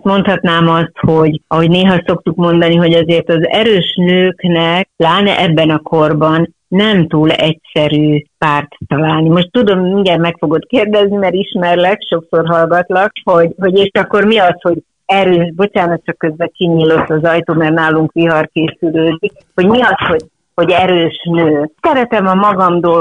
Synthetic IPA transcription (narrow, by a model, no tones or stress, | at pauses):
mo̞nt̪hɒt̪naːmɒst̪ho̞ɟɒɦo̞ɟneːɦɒso̞kt̪ukmo̞nd̪ɒniɦo̞ɟɒzeːrt̪ɒzɛɾøːʃnøːknɛk̚laːnɛ̰ʔɛbːɛnɒkʰo̞rbɒnː | ɛmt̪uːlɛcsɛɾyːpaːrt̪ːɒlaːlnimo̞ʃt̪ːud̪o̞miŋɡɛɾmɛkfo̞ɡo̞t̪keːrd̪ɛznimɛɾiʃmɛrlɛkʃo̞kso̞rɦɒlɡɒt̪lɒk̚ho̞ɟɦo̞ɟeːʃɒkːo̞rmiɒsho̞ɟ | ɛɾøːʃbo̞t͡ʃaːnɒt̪t͡ʃɒkːø̞zbɛt͡ʃiniːlo̞t̪ːɒzɒjt̪oːmɛrnaːluŋkʋiɦɒrkeːsyløːd̪ik̚ | ho̞ɟmiɒsho̞ɟ | ho̞ɟɛɾøːʃnøːsɛɾɛt̪ɛmɒmɒɡɒmd̪oː